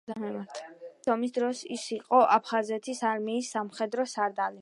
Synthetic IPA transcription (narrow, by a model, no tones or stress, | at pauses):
t̪ʰɔmisd̪ɾɔsisiqʼɔʔapʰχazɛt̪ʰisaɾmiːsːamχɛd̪ɾɔsaɾd̪ali